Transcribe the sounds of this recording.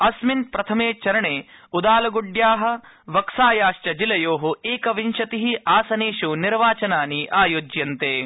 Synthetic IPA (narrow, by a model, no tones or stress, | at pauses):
ɐsmint̪̚pɾɐt̪ʰɐmeːt͡ʃɐɾɐɳeːud̪aːlɐɡuɖjaːɦɐ̆ | ʋɐksaːjaːʃt͡ʃɐd͡ʒilɐjoːɦueːkɐʋinʃɐt̪iɦiaːsɐneːʃuniɾʋaːt͡ʃɐnaːniʔaːjoːd͡ʒjɐnt̪eː